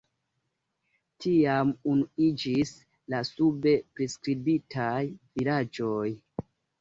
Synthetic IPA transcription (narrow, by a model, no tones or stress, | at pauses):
tʰiamunuid͡ʒis | lasube̞pɾeskɾibitʰajvilad͡ʒoj